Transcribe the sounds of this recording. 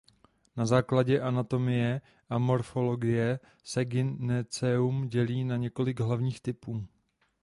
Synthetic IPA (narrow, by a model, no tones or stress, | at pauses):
nazaːklaɟɛʔanat̪o̞mɪjɛ | ʔamo̞ɾfo̞lo̞ɡɪjɛ | sɛɡɪnɛt͡sɛumɟɛliːnaɲɛko̞lɪɡɦlavɲiːxt̪ɪpuː